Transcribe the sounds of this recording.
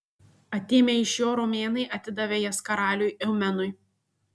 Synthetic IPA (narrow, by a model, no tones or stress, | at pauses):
ɐt̪ʲeːmʲeɪʃjoːɾoːmʲeːnɐɪʔɐt̪ʲɪd̪ɐʋʲejɛskɐɾɑːlʲʊjɛʊmʲɛnʊj